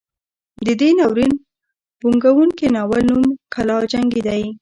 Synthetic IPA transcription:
d̪əd̪enɑwɾin | buŋɡawuŋkenɑwalnumkʰalɑd͡ʒaŋɡed̪aj

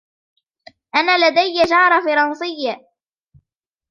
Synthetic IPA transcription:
ʔanaːlad̪ajːad͡ʒɑʕɾˤɑfɑɾˤɑnsˤɨjːa

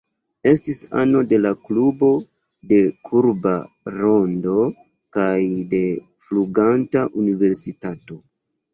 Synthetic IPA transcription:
e̞stisa̰no̞de̞laklubo̞ | de̞kʰuɾba | ɾo̞ndo̞ | kajde̞ | fluɡantaʔunive̞ɾsitato̞

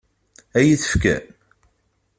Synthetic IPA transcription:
æjiθə̥fkæ̰n

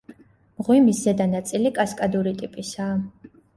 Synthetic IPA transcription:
mʁwimisɛd̪anat̪sʼilikʼaskʼad̪uɾit̪ʼipʼisaː

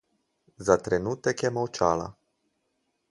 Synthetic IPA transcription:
zat̪ɾenut̪ekjɛmowt͡ʃala̰

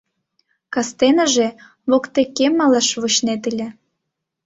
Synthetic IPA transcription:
kɑst̪enə̆ʒe | βokt̪ekːemɑlɑʃβot͡ɕnet̪əlʲĕ

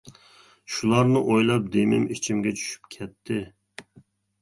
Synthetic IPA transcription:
ʃulˠɑɾnɨʔojlˠɑp̚d̪emɪ̰mit͡ʃʰimɡʲɛt͡ʃʰy̥ʃy̥pkʲʰɛt̪ʰːɪ

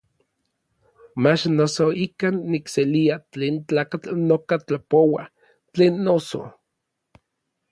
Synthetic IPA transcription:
mat͡ʃnosoikanːikseliat͡ɬeːnt͡ɬaːkat͡ɬnokat͡ɬapowa | t͡ɬeːnːoso̰

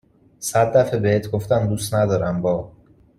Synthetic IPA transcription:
sæd̪ːæfebeheːt̪ʰɡoft̪æmd̪uːst̪næd̪ɒːɾæmbɒː

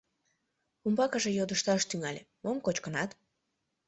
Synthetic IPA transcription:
umbɑkəʒejod̪əʃt̪ɑʃt̪yŋɑlʲe | momkot͡ɕkənɑt̪

